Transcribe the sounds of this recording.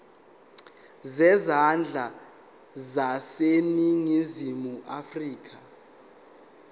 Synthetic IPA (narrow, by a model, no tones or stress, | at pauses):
zɛzand͡ɮʱa | zaseniŋizimuʔafriːk̬ʰʼa